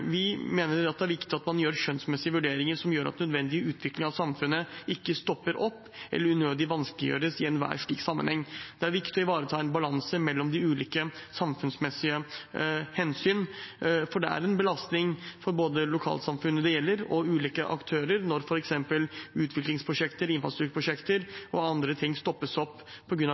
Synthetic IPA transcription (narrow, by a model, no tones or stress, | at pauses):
ʋɪmeːnəɾɑt̪̚d̪ɛæɾʋɪkt̪ɪɑt̪mɑnjøːɾɕœnsmɛsːɪəʋʉɖeːɾɪŋəɾʂɔmjøːɾɑ̰t̪nœd̪ʋɛnd̪ɪəʉːt̪ʰʋɪklɪŋɑʋsɑmfʉnːəɪkːəst̪ɔpːəɾʔɔpːɛ̰lːəɾʉnøːd̪ɪʋɑnskəlɪjø̰ːɾəsɪɛnʋæ̰ːɾʂɭiːksɑmːə̰nhɛŋːd̪̥ɛæɾʋɪkt̪ɪɔɪʋɑːɾət̪ʰɑːɛnbɑlɑnsəmɛlːɔmd̪ɪʉːliːkəsɑmfʉnsmɛsɪə | hɛnsyːnfɔɖɛæ̰ɾɛnbəlɑst̪nɪŋfɔɾboːd̪əlʊkʰɑ̰ːlsɑmfʉnːəd̪ɛjɛlːəɾɔʉːliːkəʔɑ̰kt̪ʰøːɾəɾnɔɾfɔɾɛksɛmpəlʉːt̪ʰʋɪklɪŋspʰɾʊʂɛkt̪əɾɪnfɾɑst̪ɾt̪ʰʉːɾpɾʊʂɛkt̪əɾɔɑnd̪ɾət̪ʰɪŋːst̪ɔpːəsɔpːʰɔɡɾʉnɑ